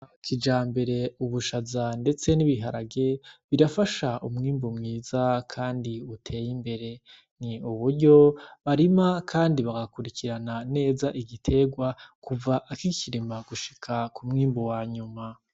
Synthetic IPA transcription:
kʰid͡ʒaːmbe̞ɾe̞uβuʃazande̞t͡se̞niβiɦaɾaɡe̞βiɾafaʃaʔumŋiːmbumŋiːzakʰaːndiutʰe̞ːjimbe̞ɾe̞ | niuβuɾɟo̞βaɾimakʰaːndiβaɡakuɾikʰiɾanane̞ːzaʔiɡitʰe̞ɡwakuvaʔakiciɾimaɡ̥uʃi̥kʰakumŋiːmbowaːɲuma

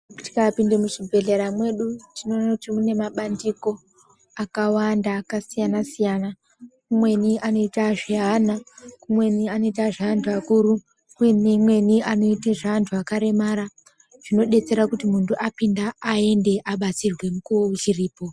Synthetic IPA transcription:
ti̥kapindemuʐibʱe̞ɮeɾamwe̞ɗutino̞nakutimune̞maɓandiko̞ | akawandaːkasijanasijana | kumwe̞niʔano̞itaʐiɦanakumwe̞niano̞it̬aʐaʋantʰuakuɾu | ujinemwe̞niano̞iteʐaʋantʰuakaɾe̞maɾa | ʐ̥ino̞ɗe̞t͡se̞ɾakutimuntuʔapindaːe̞nde̞ʔaɓat͡sirwe̞mukuwout͡ʃiriːpo̞

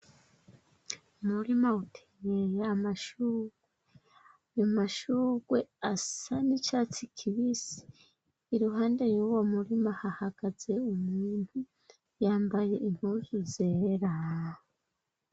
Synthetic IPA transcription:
umuɾimautʰeɲejeamaʃuːɡwe | ajomaʃuːɡwe̞asanit͡ʃat͡sikʰiβisi̥ː | ɾuɦaːndejuwomuɾimahahaɡ̥aze̞umuːn̥hu | jaːmbaje̞ʔin̥huzuzeɾa

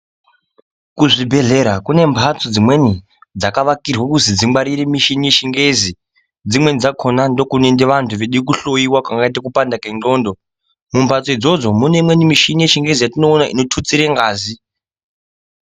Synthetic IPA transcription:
kuʐibʱe̞ɮe̞ɾakune̞mbʱat͡sod͡zimwe̞ni | d͡zakaʋakirwakuzid͡zimɡ͡baɾiɾemiʃinijeʃiŋɡe̞zi | d͡zimwe̞nid͡zakʰo̞nando̞kunendeʋantʰuʋeɗikuɬo̞iwakwaŋɡait̬akupandakend͡ɮo̞ːndo̞ | mumbʱat͡soid͡zo̞d͡zomune̞imwenimiʃinijeʃiŋɡe̞zijatino̞ːnaʔḭno̞tʰut͡siɾeŋɡaːzi

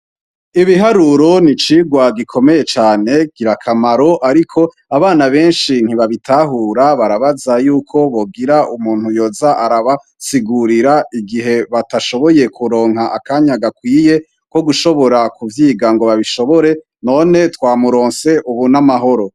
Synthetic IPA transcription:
iβiɦaɾuɾo̞nit͡ʃiːɡwaɡikʰo̞me̞je̞t͡ʃaːne̞ɡ̥iɾakʰamaɾoʔaɾikʰo̞ | aβaːnaβe̞ːnʃin̥hiβaβitʰaɦuːɾaβaɾaβazajuːkʰo̞βo̞ɡiɾaʔumuːnhujo̞ːzaʔaɾaβa | siɡuɾiɾaʔiɡiɦe̞βataʃo̞βo̞je̞kʰuɾo̞ːŋɦaʔakaɲaɡakwiːje̞ | ko̞ɡuʃo̞βo̞ɾakuvjiːɡaŋɡo̞βaβiʃo̞βo̞ɾe̞ | no̞ne̞twaːmuɾo̞ːnse̞ʔuβunamaɦo̞ɾo̞

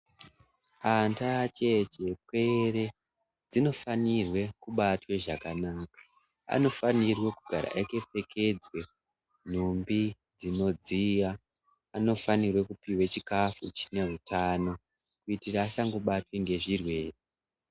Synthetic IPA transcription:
antat͡ʃe̞t͡ʃe̞kwe̞re̞ | d͡zino̞fanirwe̞kuɓatwe̞ʐakanaːkḁ | a̰no̞fanirwe̞kuɡʱa̰ɾa̰ʔeke̞p͡fe̞kʰe̞d͡zwe̞ | n̤umbi | d͡zino̞d͡zijaː | no̞fanirwe̞kupiwet͡ʃikafut͡ʃi̥ne̞rutʰano̞ | kuitiraːsaŋɡoɓatweŋɡe̞ʐirwe̞ːre

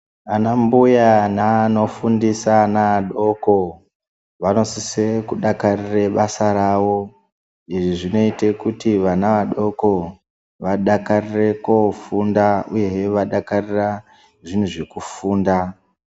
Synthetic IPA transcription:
anambujanano̞fundisanaɗo̞ko̞ | ʋano̞sisekuɗakarire̞ɓasaɾawo̞ | iʐiʐino̞ite̞kutiʋanaʋaɗo̞ko̞ | ʋaɗakarire̞kofundaṵje̞eʋaɗakarira | ʐin̤uʐe̞kufuːnda

